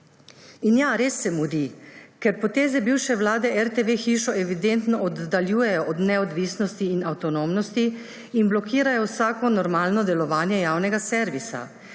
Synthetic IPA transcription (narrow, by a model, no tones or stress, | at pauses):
injaɾeːsːɛmud̪ikɛɾpɔt̪eːzɛbiwʃɛwlaːd̪ɛʔɛɾt̪eʋeːxiːʃɔʔɛʋid̪ent̪nɔɔd̪ːaljuːjɛjɔʔɔd̪nɛɔd̪ʋiːsnɔst̪iːnawt̪ɔnomnɔst̪i | inblɔkiːɾajɔwsaːkɔnɔɾmaːlnɔd̪ɛlɔʋaːnjɛjaːwnɛɡasɛɾʋisa̰